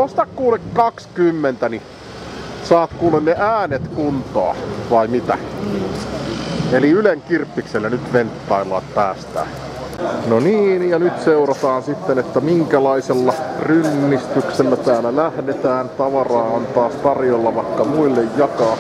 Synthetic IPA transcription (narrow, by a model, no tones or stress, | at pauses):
ost̪ɑkkuːlekkɑkskymːent̪æni | sɑːt̪kuːlenneʔæːnet̪kunt̪o̰ɑ̰ʋɑimit̪æ̰ | eliyleŋkirpːikselːænyt̪ʋent̪ːɑilːˑɑ̰ːt̪pæːst̪æ̰ː | noniːnjɑnyt̪seurɑt̪ɑːnsit̪ːenet̪ːæmiŋkælɑiselːɑrynːist̪ykselːæt̪æːlælæhdet̪æːnt̪ɑʋɑrɑːɑnt̪ɑːst̪ɑrjolːɑʋɑikːɑmuilːejjɑkɑː